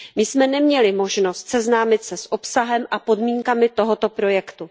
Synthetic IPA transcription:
mɪsmɛnɛmɲɛlɪmo̞ʒno̞st̪sɛznaːmɪt̪sɛsʔo̞psaɦɛmʔapo̞dmiːŋkamɪt̪o̞ɦot̪o̞pɾo̞jɛkt̪u

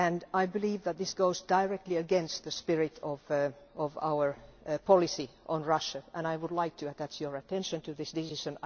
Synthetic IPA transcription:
ɨ̃naɪbɨliːvðət̪̚ðɪsɡ̥oʊzdaɪɹɛk̚tˡliɨɡɛ̃nst̪̚ðɨspɪɹɪɾɔvʔɔva̰ʊə˞pʰɑlˠɨsiʔə̃nɹʌʃəʔə̃naɪwʊdˡlaɪk̚tʰɨɨt̪̚ðætsjə˞ɨtʰɛ̃nʃɨ̃ntʰɨðɪsdɪsɪʃɨ̃n

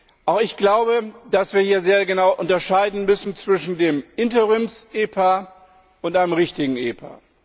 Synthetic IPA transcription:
ʔaʊxɪçɡ̥laʊbəd̥asv̥iːɐhiːɐzeːɐɡənaʊʔʊntɐʃaɪdn̩mʏsn̩t͡sv̥ɪʃn̩deːmʔɪntəʁɪmsʔeːpʰa | ʔʊntʔaɪnəmʁɪçtɪɡŋ̩ʔeːpʰa̰ː

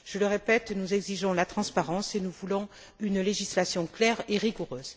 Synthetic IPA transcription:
ʒ̥ələʁepɛt̪nuzɛɡziʒɔ̃lat̪χɑ̃spaʁɑ̃senuvulɔ̃ | ynleʒislasjɔ̃klɛʁeʁiɡuʁøːz

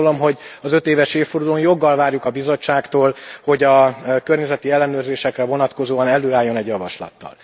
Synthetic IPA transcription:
olo̞mɦo̞ɟɒzø̞t̪eːvɛʃeːfford̪uloːnjo̞ɡːɒlvaːrjukɒbizo̞t͡ʃːaːkt̪oːlho̞ɟɒkørɲɛzɛt̪iɛlːɛnøːrzeːʃɛkrɛvo̞nɒt̪ko̞zoːɒnɛløːaːjːo̞nɛɟjɒvɒ̰ʃlɒ̰t̪ːɒ̰l

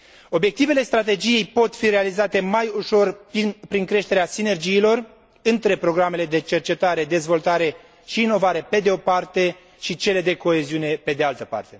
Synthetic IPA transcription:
o̞bje̞k̚t̪ive̞le̞st̪ɾat̪e̞d͡ʒije̞jpo̞t̪fiɾe̞alizat̪e̞majuʃo̞rpɾiŋkɾe̞ʃt̪e̞ɾeasine̞rd͡ʒiːlo̞r | ɨnt̪ɾe̞pɾo̞ɡɾame̞le̞d̪e̞t͡ʃe̞rt͡ʃe̞t̪aɾe̞d̪e̞zvo̞lt̪aɾe̞ | ʃiːno̞vaɾe̞pe̞d̪eo̞part̪e̞ | ʃit͡ʃe̞le̞d̪e̞ko̞e̞ziune̞pe̞d̪e̞alt̪əpa̰rt̪e̞

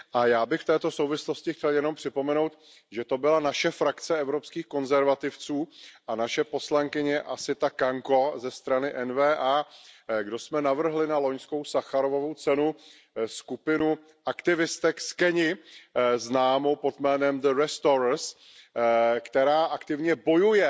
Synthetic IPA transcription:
ʔajaːbɪxft̪ɛːt̪o̞so̞wvɪslo̞scɪxcɛljɛno̞mpr̝̥ɪpo̞mɛnowt̪ | ʒɛt̪o̞bɪlanaʃɛfɾakt͡sɛɛvɾo̞pskiːxko̞nzɛɾvat̪ɪft͡suːʔanaʃɛpo̞slaŋkɪɲɛʔasɪt̪akaŋko̞zɛst̪ɾanɪʔɛnvɛːʔaːɡdo̞smɛnavr̩ɦlɪnalo̞ɲsko̞wsaxaɾovo̞vowt͡sɛnu | skupɪnu | ʔakt̪ɪvɪst̪ɛkskɛɲɪ | znaːmo̞po̞t̪mɛːnɛmd̪əɾɛst̪oɾs | kt̪ɛɾaːʔakt̪ɪvɲɛbo̞jujɛ

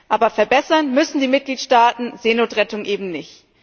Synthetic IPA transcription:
ʔaːbɐfɛɐbɛsɐnmʏsn̩diːmɪt̚ɡ̥liːtʃtaːtn̩zeːnoːtʁɛtʊŋʔeːbm̩nɪçt

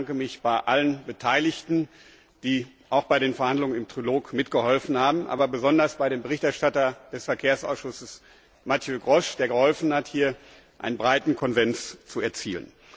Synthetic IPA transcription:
ŋkəmɪçb̥aɪʔalənbətʰaɪlɪçtn̩ | d̥iː | ʔaʊxb̥aɪɾeːnfɛɐhandlʊŋənɪmtʁ̥iloːkmɪtɡ̥əhɔlfn̩haːbm̩ʔa̰ːbɐbəzɔndɐsb̥aɪdɾeːmbəʁɪçtɛɐʃtatɐd̥ɛsfɛɐkʰeːɐsʔa̰ʊsʃʊsəs | matʰjøɡʁɔʃd̥eːɐɡəhɔlfn̩hathiːɐ | ʔa̰ɪnənbʁaɪtn̩kʰɔnzɛnt͡st͡suɛɐt͡siːlə̰n

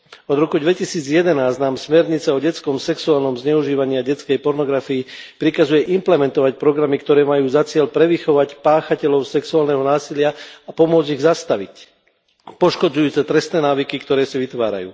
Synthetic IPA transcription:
ɔd̪ɾɔkud̪ʋɛcisiːd͡zjɛd̪ɛnaːznaːmsmɛɾɲit͡sɛɔɟɛt͡skɔmsɛksuaːlnɔmzɲɛuʒiːʋaɲɪaɟɛt͡skɛjpɔɾnɔɡɾafiipɾikazujɛʔimplɛmɛnt̪ɔʋac̚pɾɔɡɾamikt̪ɔɾɛːmajuːzat͡sɪɛʎpɾɛʋixɔʋacpaːxacɛlɔʊsɛksuaːlnɛɦɔnaːsilɪaapɔmʊɔd͡ziɣzast̪aʋic | pɔʃkɔd͡zujuːt͡sɛt̪ɾɛst̪nɛːnaːʋikikt̪ɔɾɛːsiʋit̪ʋa̰ːɾa̰jṵː

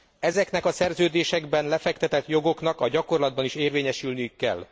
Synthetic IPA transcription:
ɛzɛknɛkɒsɛrzøːd̪eːʃɛɡbɛnlɛfɛkt̪ɛt̪ɛt̪jo̞ɡo̞knɒkɒɟɒko̞rlɒd̪bɒniʃeːrveːɲɛʃylnijykːɛ̰lː

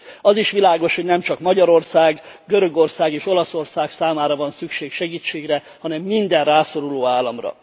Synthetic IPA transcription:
ɒziʃʋilaːɡo̞ʃho̞ɟnɛmt͡ʃɒkmɒɟɒɾo̞rsaːɡɡø̞ɾø̞ɡo̞rsaːɡeːʃo̞lɒso̞rsaːksaːmaːɾɒvɒnsykʃeːkʃɛɡiːt͡ʃeːɡrɛ | hɒnɛmːind̪ɛnraːso̞ɾuloːaːlːɒmrɒ̰

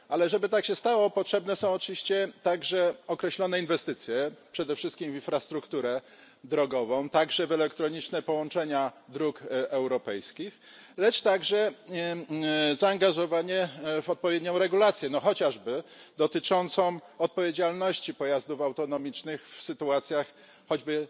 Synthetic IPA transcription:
alɛʐɛbɘt̪akɕɛst̪awɔpɔtʂɛbnɛsɔ̃w̃ɔt͡ʂɨvʲiɕt͡ɕɛt̪aɡʐɛɔkɾɛɕlɔn̪ɛinvɛst̪ɘt̪sʲjɛpʂɛd̪ɛfʂɘst̪kʲimvʲinfɾast̪ɾukt̪uɾɛ | d̪ɾɔɡɔvɔ̃w̃t̪aɡʐɛvɛlɛkt̪ɾɔɲit͡ʂnɛpɔwɔ̃nt͡ʂɛɲad̪ɾukɛwɾɔpɛjskʲix | lɛt͡ʂt̪aɡʐɛ | zaːŋɡaʐɔvaɲɛvɔt̪̚pɔvʲjed̪ɲɔ̃w̃ɾɛɡulat̪sʲjɛnɔxɔt͡ɕaʐbɘd̪ɔt̪ɘt͡ʂɔnt̪sɔ̃w̃ɔt̪̚pɔvʲjed͡ʑalnɔɕt͡ɕipɔjazd̪ufawt̪ɔnɔmʲit͡ʂnɘxfsɘt̪uat̪sʲjax | xɔd͡ʑbɘ

